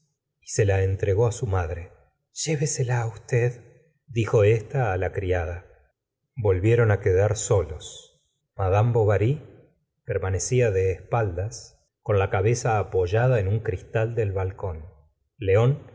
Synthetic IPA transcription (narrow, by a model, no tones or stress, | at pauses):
ise̞laent̪ɾeɣo̞asumaðɾe | ʒ̥e̞βeselaːust̪eð | d̪ixo̞est̪aːlakɾiaða | bo̞lβje̞ɾo̞nakeðaɾso̞lo̞s | maðambo̞βaɾi | peɾmane̞siaðe̞ːspald̪as | ko̞nlakaβe̞saːpo̞ʒaðaenuŋkɾist̪ald̪e̞lβalko̞n | leo̞n